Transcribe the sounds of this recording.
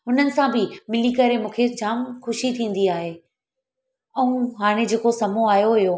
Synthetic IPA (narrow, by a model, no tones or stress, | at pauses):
ɦʊn̤ənɪ̆sãbɪmɪlikɐɾemũːkʰed͡ʑaːmxʊʃit̪ʰĩːn̆d̪iaːɦe | ɛ̃ũɦaːɽ̃ed͡ʑeːkosɐmoaːɦijoɦɪjo